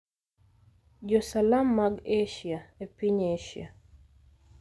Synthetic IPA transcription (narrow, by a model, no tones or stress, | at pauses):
d͡ʒɔsalamːaɡeʃjaepiɲeʃja̰